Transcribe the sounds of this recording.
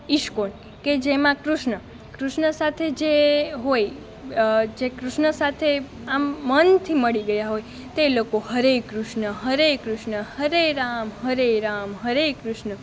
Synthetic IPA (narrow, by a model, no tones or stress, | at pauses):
iʃkon | ked͡ʒemãkɾuʃɳə | kɾuʃɳəsat̪ʰed͡ʒeɦoj | d͡ʒekɾʊʃnəsat̪ʰe | amːənt̪ʰiməɭiɡəjaɦoj | t̪elokohəɾekɾuʃɳəɦəɾekɾʊʃɳəhəɾeɾamɦəɾeɾamɦəɾekɾʊʃɳə